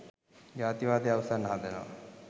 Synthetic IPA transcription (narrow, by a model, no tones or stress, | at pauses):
d͡ʒaːt̪iʋaːd̪eaʋəsanːəɦand̪eno̰ʋa̰